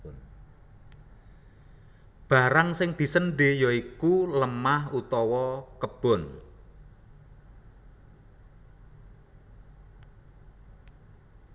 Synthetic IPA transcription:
b̥a̤ɾaŋsɪŋd̪̥i̤sənɖe̤jɔikuləmahut̪ɔwɔkəb̥ɔ̤n

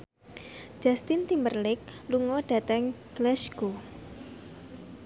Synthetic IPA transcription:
d͡ʒ̥ast̪ɪnt̪imbərlɪk̚luŋɔɖ̥a̤t̪ɛŋɡ̥lɛʃɡo

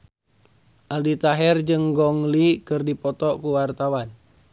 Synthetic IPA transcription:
ʔaldit̪aɦɛrd͡ʒɨŋɡɔŋlikɨrdipɔt̪ɔkuwart̪awan

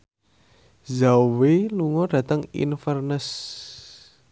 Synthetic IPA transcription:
zaweluŋɔɖ̥a̤t̪əŋḭnfərnəs

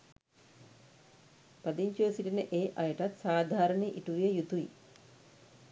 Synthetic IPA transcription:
pɐd̪iɲt͡ʃuʋəsiʈinəʔeːʔajəʈat̪saːd̪ʱaːɾənjeʔiʈuʋijejut̪ui

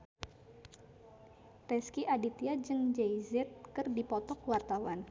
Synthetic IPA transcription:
rɛskiʔadit̪iad͡ʒɨŋd͡ʒajzɛt̪̚kɨrdipɔt̪ɔkwart̪awan

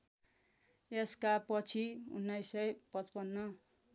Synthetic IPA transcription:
eskapʌt͡sʰiṵnːajsʌjpʌt͡spʌnːʌ

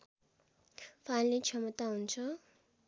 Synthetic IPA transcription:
pʰallit͡ʃʰʌmʌt̪aɦunt͡sʰʌ

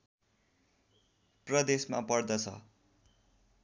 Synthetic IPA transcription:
prʌd̪esma̰pʌrd̪ʌt͡sʰʌ̰

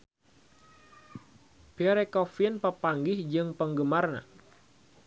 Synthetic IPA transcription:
piaɾekɔfiənpəpaŋɡɪhd͡ʒɨŋpəŋɡəmarna̰

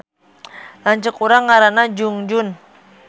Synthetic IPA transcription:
laɲt͡ʃəkuɾaŋːaɾanad͡ʒuŋd͡ʒʊn

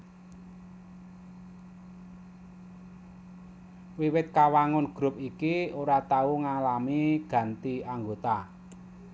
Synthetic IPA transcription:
wiwɪt̪̚kawaŋʊnɡ̥ɾʊ̤p̚ikioɾat̪auŋalamiɡ̥ä̤nt̪iaŋɡot̪a

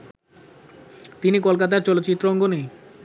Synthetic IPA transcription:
t̪inikolkat̪̬aɾt͡ɕɔlot̪ːɕit̪ːɾoɔŋɡone

